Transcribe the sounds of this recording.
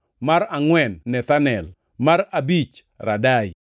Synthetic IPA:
maɾaŋwɛnːɛt̪anɛl | maɾabit͡ʃ | ɾadaj

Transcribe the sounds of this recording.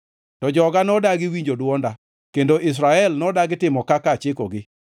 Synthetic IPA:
tɔd͡ʒɔɡanɔdaɡɪwiɲd͡ʒodwɔnda | kendoʔɪs̬ɾaɛlnɔdaɡɪtɪmɔkakat͡ʃɪkɔɡɪ

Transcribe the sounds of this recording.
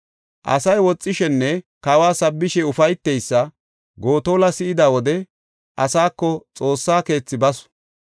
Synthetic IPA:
ʔɐ̰sɐjwɔt͡sʼːɪʃɛnːɛkɐwaːsɐbːɪʃɛʊfɐjt̪ːɛjsːɐ | ɡo̞ːt̪oːlɐsɪʔɪd̪awɔd̪ɛ | ʔɐsaːkːɔt͡sʼo̞ːsːaːke̞ːt͡sːɪbɐsʊ̥

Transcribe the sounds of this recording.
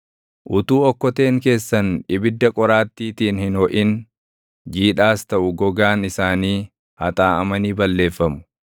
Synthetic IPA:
ʔʊt̪uːɔkːɔt̪e̞ːŋke̞ːsːɐnɪbɪd̪ːɐkʼɔɾaːt̪ːiːt̪iːnhɪnhɔʔɪn | d͡ʒiːᶑaːst̪ɐʔʊɡɔɡaːnɪsaːniː | hɐ̰t̪ʼaːɐ̰mɐniːbɐlːe̞ːfːɐmʊ̥

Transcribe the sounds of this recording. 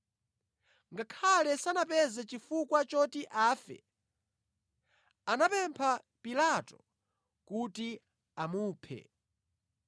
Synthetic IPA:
ŋɡakʰalɛsanapɛzɛt͡ʃifukwat͡ʃɔtiʔaːfɛ̰ | anapɛmpʰa | pilatɔ | kuti | amuːpʰɛ̰

